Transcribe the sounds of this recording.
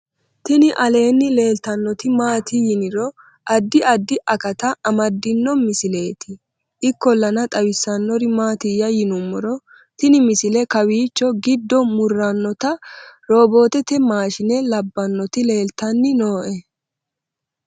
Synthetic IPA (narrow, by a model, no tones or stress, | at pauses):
t̪ɪnɪʔɐle̞ːnːɪle̞ːlt̪ɐnːɔt̪ɪmaːt̪ʰɪjɪnɪɾɔ | ʔɐd̪ːɪʔɐd̪ːɪʔɐkɐt̪ɐʔɐmɐd̪ːɪnːɔmɪsɪle̞ːt̪ɪ | ʔɪkːɔlːɐnɐt̪ʼɐwɪsːɐnːɔɾɪmaːt̪ɪjɐjɪnʊmːɔɾɔ | t̪ɪnɪmɪsɪlɛkɐwiːt͡ʃːɔɡɪd̪ːɔmʊrːɐnːɔt̪ɐɾo̞ːbo̞ːt̪ɛt̪ɛmaːʃɪnɛlɐbːɐnːɔt̪ɪle̞ːlt̪ɐnːɪno̞ːʔɛ